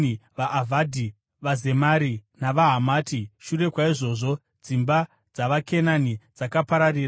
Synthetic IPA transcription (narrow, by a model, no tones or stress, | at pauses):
ʋaʔːvʱadʱi | ʋaze̞maɾinaʋaɦamaːtʰiʃure̞kwaiʐo̞ːʐo̞ | d͡zimba | d͡zaʋakʰe̞nanid͡zakapaɾariːra